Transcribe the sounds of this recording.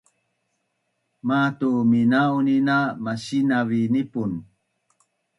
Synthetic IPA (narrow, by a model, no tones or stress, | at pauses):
matuminauninamaɕinavinipun